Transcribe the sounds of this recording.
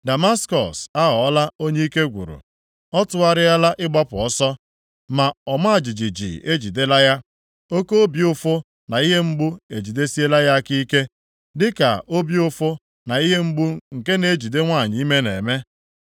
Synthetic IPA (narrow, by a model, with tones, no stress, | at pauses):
da˨ma˦skɔ̰˨sa˦ɦɔ˨ɔ˦la˦o˦ɲe˦i˦ke˦ɡʷṵ˨ɾṵ˨ | ɔ˦tʊ˦a˦ɾɪ˦a˦la˦ʔɪ˦ɡ͡ba˦pʊ˨ɔ˦sɔ˦ | ma˨ɔ˨ma˦a˨d͡ʒi˨d͡ʒi˨d͡ʒḭ˨e˦d͡ʒi˨de˦la˦ja˦ | o˦ko˦o˦bjʊ˦fʊ˦ | na˨i˦ɦe˦ŋ͡m̩˦ɡ͡bʊ˦e˨d͡ʒi˨de˦si˦e˦la˦ja˦a˦ki˦ke˦ | dɪ˦ka̰˨ʔo˦bi˦ʊ˦fʊ˦ | na˨i˦ɦe˦ŋ͡m̩˦ɡ͡bu˦ŋ̩˨ke˦ne˨˦d͡ʒi˨de˦ŋʷa˦˨ɲɪ˨˦i˦me˦nḛ˨me˦